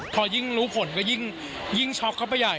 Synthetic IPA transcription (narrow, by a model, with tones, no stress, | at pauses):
pʰɔː˧ji˥˩ŋɾuː˦˥pʰo˨˩˦nkɔː˥˩ji˥˩ŋ | ji˥˩ŋt͡ɕʰɔ˦˥kʰːa˥˩wpa˧˩ja˨˩j